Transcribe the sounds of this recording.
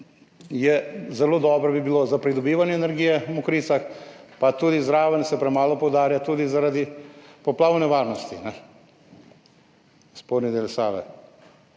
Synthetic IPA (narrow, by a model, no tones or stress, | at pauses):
jɛzɛloːd̪ɔːbɾɔbibilozapɾid̪ɔbiːʋanjɛːnɛɾɡiːjɛmukɾiːsaxpat̪uːd̪izɾaːʋənsɛpɾɛmaːlɔpɔwd̪aːɾjat̪uːd̪izaɾad̪ipɔplaːwnɛʋaːɾnɔst̪inɛ | spoːɾnid̪elsaːʋɛ̰